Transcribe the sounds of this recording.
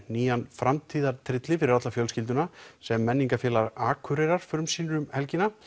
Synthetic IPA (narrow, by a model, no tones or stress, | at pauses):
niːanfɾamt̪ʰiːðaɾt̪ʰɾɪt̪lɪfɪɾɪɾat̪lafjœlscɪlt̪ʏnasɛmːɛnːiŋkafjɛːlaɾaːkʰʏɾɛɾaɾ̥fɾʏmsiːnɾʏmhɛlcɪna